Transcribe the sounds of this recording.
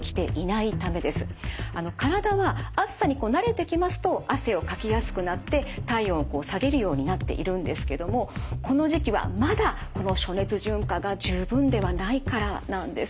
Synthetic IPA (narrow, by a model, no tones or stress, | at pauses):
kʲi̥t̪e̞̰ʔinait̪ame̞d̪e̞sɨ̥ano̞kaɾad̪aβaasːaɲ̟iko̞ːnaɾe̞t̪e̞kʲimasɨ̥t̪o̞ʔase̞o̞kakʲijasɨ̥kɯ̟nat̪ːe̞t̪aiõːko̞ːsaɡe̞ɾɯ̟jo̞ːɲ̟inat̪ːe̞̰ʔḭɾɯ̟̃nd̪e̞sɨ̥ke̞d̪o̞mo̞ko̞no̞ʑikʲiβa̰mad̪ako̞no̞ɕo̞ne̞t͡sɨʑɨ̃ŋkaɡaʑɨːbɯ̟̃nd̪e̞β̞anaikaɾanãnd̪e̞s